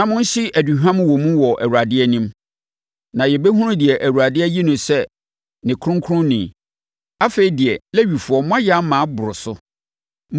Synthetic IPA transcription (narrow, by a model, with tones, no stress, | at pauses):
nã˨mʊ̃˦n̩˦ɕɪ˦ʔæ˨du˨ɦᶣã˦m̃˦wɔ̃˨mũ˦wɔ˨ʔæ̰˨wu˨ɾa˨dɪ˦ɛ˦nĩ˦m | nã˨jɛ˨bɛ˦ɦũ˦ɾʊ̃˦dɪ˨ɛ˨ʔæ˨wu˨ɾa˨dɪ˦ɛ˦ji˦nʊ̃˨sɛ˦ | nɪ̃˨kʰʊ̃˦ŋ˦kʰʊ˦ʊ̃˦nĩ˨ | a˦fe˨i˨dɪ˨ɛ˨lɛ˦ɥi˨fʊ˨ɔ˦mʊ̃˦ã˦ja˦mã˨˦bʊ˨ɾʊ˨sʊ˦ | m